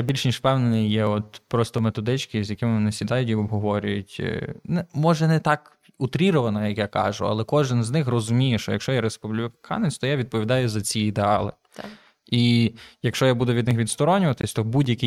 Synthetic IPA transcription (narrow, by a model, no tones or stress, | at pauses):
abʲilʲʃnʲiʃfpɛwnenɪjjɛɔt̪pɾɔst̪ɔmet̪ɔd̪ɪt͡ʃkɪzʲjɐkɪmɪʋɔnɪsʲid̪ɑjʊt̬ʲiɔbɦɔʋɔɾʲʊjʊtʲnɛmɔʒɛnɛt̪ɑk | ut̪ɾʲiɾɔʋɐnɔjɐkjakɑ̰ʒʊ̰ɐ̰lˠɛkɔʒɪnznɪxrɔzʊmʲijɛʃt͡ʃɔjɐkʃt͡ʃɔjaɾespublʲɪkʰɑ̰net͡sʲt̪ɔjaʋʲid̪̚pɔʋʲid̪ɑjʊzɐt͡sʲiid̪eɑlˠɪ̰ | ijɐkʃt͡ʃɔjabud̪ʊʋʲid̪nɪxʋʲid̪st̪ɔɾɔnʲʊʋɐt̪ɪsʲt̪ɔbudʲjɐkʲi